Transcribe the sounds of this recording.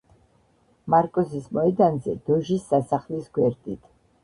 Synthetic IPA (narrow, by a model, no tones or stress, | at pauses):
maɾkʼɔsismɔɛd̪anzɛ̰d̪̥ɔʒisːasaχlisɡwɛɾt̪ʼit̪ʰ